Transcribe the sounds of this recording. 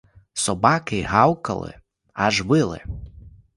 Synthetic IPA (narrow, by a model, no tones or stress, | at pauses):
sɔbakɪɦawkɐ̰lˠɪ̰ | aʒʋɪlˠɪ̰